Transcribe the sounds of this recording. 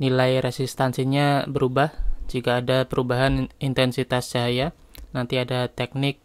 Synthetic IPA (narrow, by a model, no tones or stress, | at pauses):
nilajɾesist̪ansiɲabəɾubahd͡ʒikaːdapəɾubaɦanint̪ɛnsit̪asd͡ʒaɦaja | nant̪iadat̪ɛk̚nɪk̚